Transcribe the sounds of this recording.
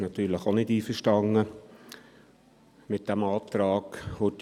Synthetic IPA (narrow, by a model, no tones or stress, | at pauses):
nɑt̪yːɾləχonɪdiːfəʃtɑŋə | mɪt̚d̥æmɑːt̪ɾɑːkʊt